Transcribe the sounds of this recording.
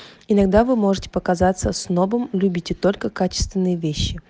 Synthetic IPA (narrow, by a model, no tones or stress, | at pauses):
ɪnɐɡd̪avɨmo̞ʐɨtʲɪ̥pəkɐzat̪səsnobəmlʲʉbʲitʲɪt̪o̞lʲkəkat͡ɕɪ̥st̪vʲɪnːɨjəvʲeɕːɪ